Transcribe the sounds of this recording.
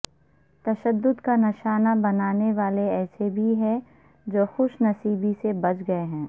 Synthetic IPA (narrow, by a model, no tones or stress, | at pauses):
t̪ɐʃəd̪ːʊd̪kanɪʃaːnabɐnaːneʋaːleɛːsebʱiɦɛ̃ | d͡ʒoːxʊʃnɐsiːbisebɐt͡ʃɡɐeɦɛ̃ː